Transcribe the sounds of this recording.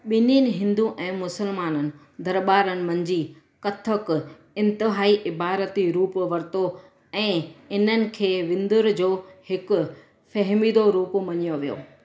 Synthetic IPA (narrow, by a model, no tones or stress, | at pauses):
ɓɪninɪ̆ɦɪ̃nd̪ũʔɛ̃ːmʊsəlmaːnənɪ̆ | d̪ɐɾɓaːɾənɪ̆mɐ̃ɲd͡ʑiː | kɐt̪ʰək | ɪ̃nt̪ɪɦaːiʔɪbaːɾət̪iɾuːpʋɐɾt̪o | ɛ̃ːɪn̤ənɪ̆kʰeːʋɪ̃nd̪ʊɾd͡ʑoːhɪkʊ̆ | fɐɦmiːd̪oɾuːpmɐɲijoʋijo̰ː